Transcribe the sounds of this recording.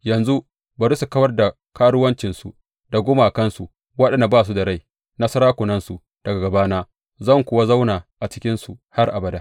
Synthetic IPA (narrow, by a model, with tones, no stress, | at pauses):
jɐ˨nzu˦ | bɐ˨ɾu˦su˨kɐ˦wɐ˦rda˨ | kaː˦ɽʊ˦wɐ˦nt͡ʃɪ˨nsṵ˨ | da˨ɡʷʊ˦ma˨kɐ˦nsṵ˨ | wɐ˦ɗɛ˨nda˨baː˦˨s̬u˦da˨ɽa˦˨j | na˦sɐ˦ɾaː˦kʷʊ˨nɐ˦nsu˨ | d̥ɐ˨ɡa˨ɡɐ˨baː˦naː˦ | zɐ˦˨ŋkʷʊ˨˦wa˦za˦wnaː˨ʔa˨t͡ʃɪ̥˦kʲɪ˦nsṵ˨ha˦rʔa̰˨bɐ˨daː˦